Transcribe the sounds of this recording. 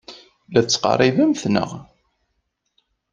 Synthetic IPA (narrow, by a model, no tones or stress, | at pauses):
læθt͡sːqɑ̰rˤːivæmθnə̰ʁ